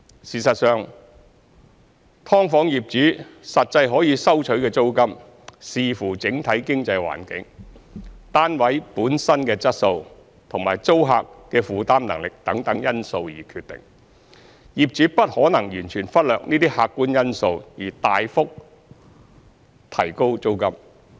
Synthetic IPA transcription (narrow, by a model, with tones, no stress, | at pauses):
siː˨˩sɐ˨t̚sœː˨ŋ | t̪ʰɔː˥ŋfɔː˨˥ŋjiː˨p̚t͡syː˨˥sɐ˨t̚t͡sɐ˧jɦɔː˨˥jiː˨˧sɐ˥wt͡ʃʰɵ˨˥ɥkɛː˧t͡so˥wkɐ˥m | siː˨fuː˨˩t͡sɪ˨˥ŋt̪ʰɐ˨˥jkɪ˥ŋt͡sɐ˧jwa̰ː˨˩nkɪ̰˨˥ŋ | t̪aː˥nwɐ˨˥jpuː˨˥nsɐ˥nkɛː˧t͡sɐ˥t̚so˧w | t̪ʰʊ˨˩ŋma̰ː˨˩jt͡so˥wɦa̰ː˧kkɛː˧fuː˨t̪aː˥mnɐ˨˩ŋlɪ˨k̚t̪ɐ˨˥ŋt̪ɐ˨˥ŋjɐ˥nso˧wjḭː˨˩kʰyː˧t̪̚ɪ̰˨˩ŋ | jiː˨p̚t͡syː˨˥pɐ˥t̚hɔː˨˥nɐ˨˩ŋjyː˨˩nt͡ʃʰyː˨˩nfɐ˥t̚lœː˨k̚niː˥t̪iː˥haː˧kːuː˥njɐ˥nso˧wjiː˨˩t̪aː˧jfʊ˥k̚ | t̪ʰɐ̰˨˩jko˥wt͡so˥wkɐ˥m